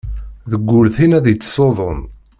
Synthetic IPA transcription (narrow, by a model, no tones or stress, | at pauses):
ðəɡʷːʊlθinæðjət͡sːsˤoðˤon